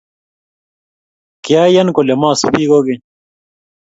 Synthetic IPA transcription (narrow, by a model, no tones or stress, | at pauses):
kjaːjɐnkolemãːsubiːɡoːɡe